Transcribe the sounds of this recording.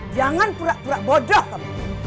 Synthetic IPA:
d͡ʒaŋanpuɾaʔpuɾaʔbɔdɔhkap

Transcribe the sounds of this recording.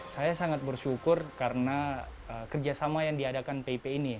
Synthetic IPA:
sajasaŋat̪̚bərʃukʊrkaɾənaəkərd͡ʒasamajaŋdiadakanpeipeini

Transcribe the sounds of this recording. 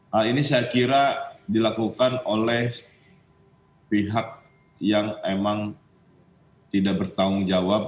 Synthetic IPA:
ainisajakiɾadilakukanolɛh | piɦak̚ | jaŋemaŋ | t̪idabərt̪aʊŋd͡ʒawap̚

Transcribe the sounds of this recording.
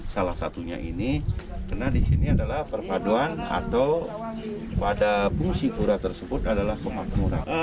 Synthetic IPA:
salahsa̰t̪uɲa̰ʔḭnikərnadisiniadalahpərpaduana̰t̪aw | padapuŋsikuɾat̪ərsəbʊt̪adalahpəmat̪muɾa̰n

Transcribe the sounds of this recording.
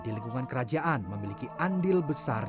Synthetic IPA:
diliŋkuŋankəɾad͡ʒaʔanməmilikiʔandɪlbəsa̰r

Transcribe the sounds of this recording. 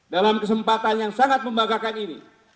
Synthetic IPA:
dalamkəs̬əmpat̪anjaŋsaŋat̪̚məmbaɡakaninḭ

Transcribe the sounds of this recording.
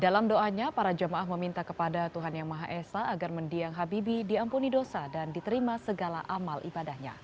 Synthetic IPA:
dalamdoʔaɲapaɾad͡ʒəmaʔahməmint̪akə̥padat̪uɦanjaŋmaɦaʔɛsaʔːɡarməndiaŋɦabibidiampunidosadandit̪əɾimasəɡala̰ʔamalʔḭbadahɲa̰

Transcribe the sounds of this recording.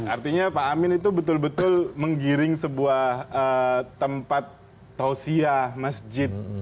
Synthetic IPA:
art̪iɲapaːmɪnit̪ubət̪ʊlbət̪ʊlməŋɡiɾɪŋsəbuahət̪ːəmpat̪ː | osiahmasd͡ʒɪt̪̚

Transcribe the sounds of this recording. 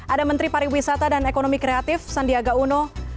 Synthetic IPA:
ʔadamənt̪ɾipaɾiwisat̪adanekonomikɾeat̪ɪfsandiaɡaunɔ

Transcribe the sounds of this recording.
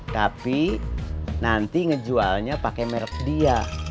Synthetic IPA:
t̪api | nant̪iŋəd͡ʒualɲapakɛmɛɾək̚dia

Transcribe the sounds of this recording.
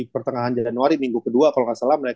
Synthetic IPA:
pərt̪əŋaɦand͡ʒanuaɾimiŋɡukəduakaloŋasalahməɾe

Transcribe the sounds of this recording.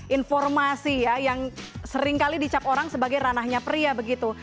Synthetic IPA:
ʔinfɔrmasijajaŋsəɾɪŋkalidit͡ʃapoɾaŋsəbaɡajɾanahɲapɾiabəɡit̪u

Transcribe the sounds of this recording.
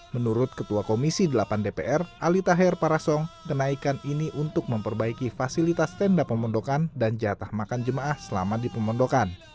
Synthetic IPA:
mənuɾʊt̪̚kət̪uakomisidəlapandepeʔɛralit̪aɦɛrpaɾasɔŋkənaikaniniʔunt̪ʊk̚məmpərbaikifasilit̪ast̪ɛndapːəmɔndokandand͡ʒat̪ahmakand͡ʒəmaʔahsəla̰madipəmɔndokan

